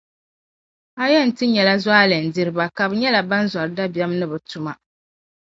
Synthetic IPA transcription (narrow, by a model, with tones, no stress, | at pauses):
a˦jɛ˦˨n̩˨tɨ˦ɲɛ˨la˦zwaː˦lɨ˨n̩˨di˦ɾɨ˦ba˨ka˨bɨ˨ɲɛ˦la˨ba˦n˦za˨ɾɨ˨˦da˦bi˨a˦mnɨ˦bɨ˨tu˦ma˨